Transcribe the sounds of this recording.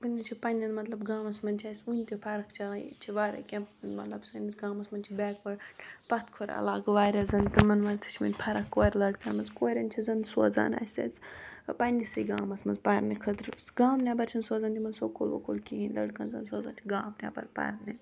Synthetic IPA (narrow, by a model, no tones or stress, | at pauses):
bɨnʲit͡ʃʰipɐnʲɐnmɐt̪lɐbɡaːmɐsmɐnʲt͡ʃʰaːsʲunʲt̪ʲipʰɐɾɐkt͡ʃʰat͡ʃʰiʋaːɾɐ̰kʲɐmnmɐt̪lɐbsɐnit͡sɡãːmɐsmɐnt͡ʃʰibʲɛːkʋɐɽʲpɐt̪ʰkʰoɾʲɐ̰laːɡʋaːɾʲɐzɐnt̪imɐnʋɐnt͡sʰi̥t͡ʃʰmɐ̰nʲpʰɐɾɐkːoːɾʲlɐɖkɐnmɐnzkoːɾʲɐnʲt͡ʃʰizɐnd̪soːza̰ːna̰ːsɐ̰t͡spɐnʲisɨɡaːmɐsmɐnzpɐɾnikʰɐt̪ɾsɡaːmnʲabɐɾt͡ʃʰɐnsoːzaːnt̪ʲimɐnsoːkʰolʋo̰kʰolkʲiinʲlɐ̰ɖkɐnzɐnsoːza̰ːnt͡ʃ̪ʲʰiɡaːmnʲa̰bɐ̰ɾpɐ̰ɾni